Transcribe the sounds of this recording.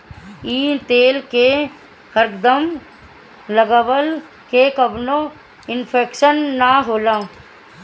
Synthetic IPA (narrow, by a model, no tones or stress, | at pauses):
iːt̪eːlke | həɾkd̪əm | ləɡaʋəl | kekəbnõ | ɪnpʰeːkʃənːaɦoːlaː